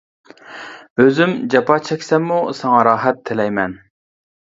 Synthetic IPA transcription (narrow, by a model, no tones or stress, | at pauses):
øzymd͡ʒɑpʰɑt͡ʃʰɛkʲsɛmːusɑŋɑɾɑːɦɛt̪ʰːɪlɛjmɛn